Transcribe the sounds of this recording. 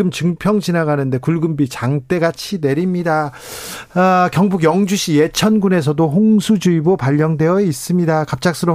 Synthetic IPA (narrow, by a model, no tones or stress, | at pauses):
ɯmt͡ɕɯŋpʰjʌŋd͡ʑinaɡanɯnde̞kuɭɡɯmbit͡ɕaŋt͈e̞ɡat͡ɕʰine̞ɾimɲida | akjʌŋbuɡjʌŋd͡ʑuɕʰije̞t͡ɕʰʌnɡune̞s̬ʰʌdoɦoŋsʰud͡ʑuibopaʎːʌŋdwe̞jʌis͈ɯmɲidakap̚t͡ɕ͈ak̚s͈ʰɯɾʌ